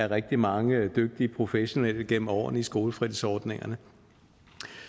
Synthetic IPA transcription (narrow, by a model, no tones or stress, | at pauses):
æɐʁɛɡ̥̚d̥imɑ̈ŋəd̥øɡ̥̚d̥iəpʰʁo̝feɕo̝nel̰əɡ̥en̰m̩ɒ̰ːnisɡ̥o̝ːləfʁið̰̩ˠsɒːd̥ne̝ŋɐnə